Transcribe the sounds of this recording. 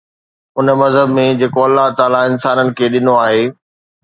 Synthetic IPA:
ʊnmɐzɦəbmẽd͡ʑeːkoɐlːaɦt̪aːlaɪnsaːnənɪ̆kʰeːɗɪnoaːɦeː

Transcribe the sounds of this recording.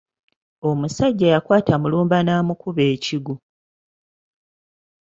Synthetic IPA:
o̞musaɟːajakwaːtamuluːmbanaːmukuβeːciɡu

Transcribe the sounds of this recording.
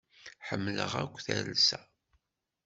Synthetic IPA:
ħəmːləʁækʷːθælsæ

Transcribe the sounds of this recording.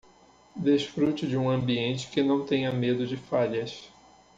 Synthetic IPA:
d̪esfɾut͡ʃɪd͡ʒɪũɐ̃mbiẽnt͡ʃɪ̥kɪnɐ̃w̃t̪ẽjɐmed̪ʊd͡ʒɪfaʎɐs

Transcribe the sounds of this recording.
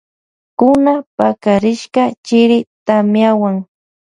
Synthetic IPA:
kʊnapakaɾɪʃkat͡ʃɪɾɪt̪amjawaŋ

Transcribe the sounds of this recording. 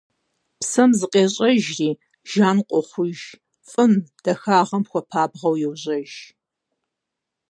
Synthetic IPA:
psɐmzɨqʼeːɕʼɐʒriː | ʒ̥aːnqʷʼɔχʷʊʒ | fʼɨmd̥ɐxaːʁɐmxʷɔpʰaːbʁɐwjɛwʑɐʒ

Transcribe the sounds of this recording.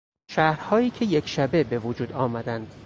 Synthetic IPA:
ʃæːhɾhɒːjiːcʰe̞jekʃæbe̞be̞vod͡ʒuːd̪ɒːmæd̪ænd̪̥

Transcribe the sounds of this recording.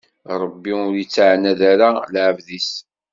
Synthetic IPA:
ɾˤəbːiʊɾjit͡sːʕnːæðæɾalʕəvðis

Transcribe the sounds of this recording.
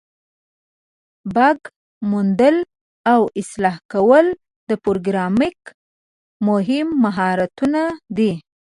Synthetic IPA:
baɡ | mund̪əl | awɪslɑhkawəl | d̪əpoɾɡɾɑmɪk | mʊɦɪmːaɦɑɾat̪unad̪i

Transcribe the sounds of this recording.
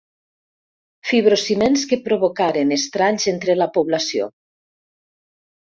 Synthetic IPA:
fiβ̞ɾosimenskepɾoβokaɾenest̪ɾaɲzent̪ɾelapoβlasio̰

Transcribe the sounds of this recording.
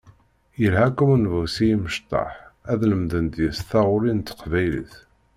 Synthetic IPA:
jəlhækːumunvæwsijiməʃt̪ˤːɑ̰ħæðləmðənt̪jəsθɑʁʊɾint̪ːə̥qvæjlḭθ

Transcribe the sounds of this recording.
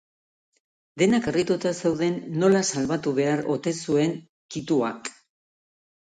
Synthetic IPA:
d̪e̞nakerit̪ut̪asewðe̞nːo̞lasalβat̪uβ̞e̞aɾo̞̰t̪e̞sue̞ŋ | kit̪ua̰k

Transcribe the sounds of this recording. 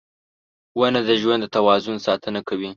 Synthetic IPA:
wanad̪əʒwand̪ət̪awɑzʊnsɑt̪ənakawi

